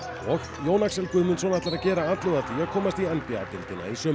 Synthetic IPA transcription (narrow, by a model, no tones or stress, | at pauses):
ɔɣ | joːwnaksɛlkʏðmʏnsvɔːnaht̪aɾacɛːɾaaːt̪lʏɣaθiaðkʰɔːmast̪iɛnpia̰t̪ɪlt̪ɪna̰isœː